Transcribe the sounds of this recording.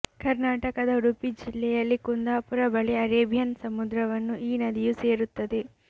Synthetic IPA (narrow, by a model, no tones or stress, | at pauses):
kɐɾnaːʈɐkɐd̪ɐɾupid͡ʒilːɛːjɐlːikund̪aːpuɾɐbɐɭeɐɾeːbʱjɐnsɐmud̪ɾɐʋɐnːuʔiːnɐd̪ijuse̞ːɾut̪ːɐd̪i